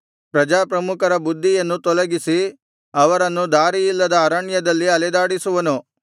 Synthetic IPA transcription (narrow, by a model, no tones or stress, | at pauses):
pɾɐd͡ʒaːpɾɐmukɐɾɐbud̪ʱːijɐnːut̪ɔlɐɡisi | ɐʋɐɾɐnːud̪aːɾijilːɐd̪ɐːɾɐɳjɐd̪ɐlːiɐlɛd̪aːɽisuʋɐnu